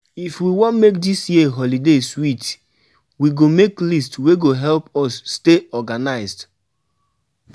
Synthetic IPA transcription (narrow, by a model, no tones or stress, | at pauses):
ifwiwɔ̃nmekdisjiɦɔlideswit | wiɡomeklistweɡoɦɛlpɔsːteɔɡanaɪsd